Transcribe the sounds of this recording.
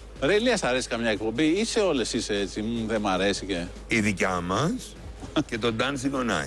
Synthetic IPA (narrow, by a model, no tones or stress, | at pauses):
ɾeliɐsɐɾe̞si̥kɐmɲɐek̚po̞mbiise̞o̞le̞siseet͡simuðemɐɾe̞sice̞ | iðicɐmɐs | ce̞t̪o̞d̪ɐnsiɡonɐ̰